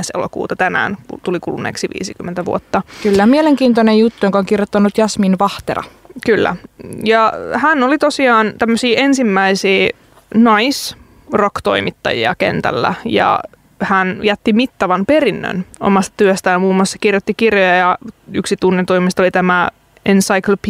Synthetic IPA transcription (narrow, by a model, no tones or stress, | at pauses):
esḛlo̰kṵːt̪ɑt̪ænæ̰ːnkṵt̪ulikulṵnḛksiʋḭːsikymːent̪æʋṵot̪ːɑkylːæmieleŋkiːnt̪onejjut̪ːujoŋkoŋkirjot̪ːɑnːut̪jɑsminʋɑht̪erɑ̰kylːæ̰jɑhænːolit̪o̞siɑːnt̪æmːøsiːʔensimːæisiː | nɑis | rokt̪o̞̰imit̪ːɑ̰jḭɑ̰kḛnt̪æ̰lːæ̰jɑ̰ | hænjæt̪ːimit̪ːɑʋɑnperinːø̰no̰mɑst̪ɑ̥t̪yøst̪æjɑmuːmːuɑsse̥kirjot̪ːikirjojɑjɑyksit̪unːent̪uimist̪olit̪æmæ | ensɑiklop